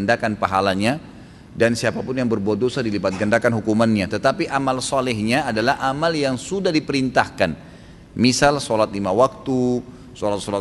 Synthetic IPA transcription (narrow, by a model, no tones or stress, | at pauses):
ndakanpaɦalaɲa | dansiapapʊnjaŋbərbuat̪̚dosadilibat̪̚ɡəndakanɦukumanɲat̪ət̪apiʔamalsɔlɛhɲaːdalahʔamaljaŋsudahdipəɾint̪ahkan | misalsɔlat̪̚limawak̚t̪u | sɔlat̪̚sɔlat